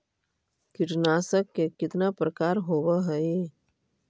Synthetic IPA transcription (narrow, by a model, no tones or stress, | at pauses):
kɪʈnaːsəkːekɪt̪napɾəkaːɾɦoːwaɦɛe